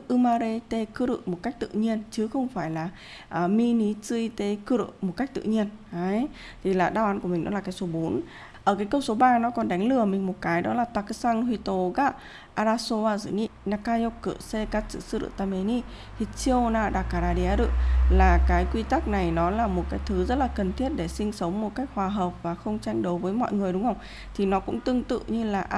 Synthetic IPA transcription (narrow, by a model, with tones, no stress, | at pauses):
ʔɨ˧maː˧ɾe˧t̪e˧kɨ˨˦ɾɨ̰˧˨mo˨˩t̚ka˦˥jk̚t̪ɨ̰˧˨ɲi˧ənt͡ɕɨ˨˦xə˧wŋ͡mfaː˧˩jlaː˨˩ | ʔəː˨˩mi˧ni˨˦t͡sɨ˧i˧t̪e˧kɨ˧˦ɾɨ̰˧˨mo˨˩ka˦˥jk̚t̪ɨ̰˧˨ɲi˧əna˨˦j | t̪ʰi˨˩laː˨˩ɗaː˧wʔa˨˦nku˧˩əmi˨˩ŋ̟ɗɔ˨˦laː˨˩kaː˨˦jso˨˦ɓo˨˦n | ʔəː˧˩kaː˨˦jkə˧wŋ͡mso˨˦ɓaː˧nɔ˨˦kɔ˧nɗa˨˦jŋ̟lɨ˨˩əmï˨˩ŋ̟mo˨˩t̚kaː˨˦jɗɔ˨˦laː˨˩t̪a˨˧˩ksa˧ŋhwi˧t̪o˧˦ɣa˧˥ | ʔaː˧ɾaː˧so˧aː˧zɨ̰˧˨ni˧na˧kaː˧jo˧kːɨ̰˧˨se˧ka˧t̚sɨ̰˧˨sɨ˧ɾɨ̰˧˨t̪a˧me˧ni˧ | t̪ʰi˨˩t͡ɕi˧naː˧ɗaː˨˧˩ka˧˩ɾaː˧ɗi˧aː˧ɾɨ̰˧˨laː˨˩kaː˨˦jkwi˧t̪a˦˥k̚na˨˩jnɔ˨˦laː˨˩mo˨˩t̚kaː˨˦jt̪ʰɨ˨˦zə˦˥t̚laː˨˩kə˨˩nt̪ʰi˦˥ət̚ɗe˧˩sï˧ŋ̟sə˨˦wŋ͡mmo˨˩t̚ka˦˥jk̚hwaː˨˩ɦəː˨˩wp̚vaː˨˩xə˧wŋ͡mt͡ɕa˧jŋ̟ɗo˨˦wvəː˨˦jmɔ̰˧˨jŋɨ˨˩əjɗʊ˨˦ŋ͡mhə˧wŋ͡m | t̪ʰi˨˩nɔ˨˦kʊ̰˧˥ŋ͡mt̪ɨ˧əŋt̪ɨ̰˧˨ɲɨ˧laː˨˩ʔ